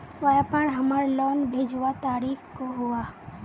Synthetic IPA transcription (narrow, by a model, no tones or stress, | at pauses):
ʋajapəɳɦəməɾlɔːnbʱeːd͡ʒʋat̪aːɾiːxkoɦʊaː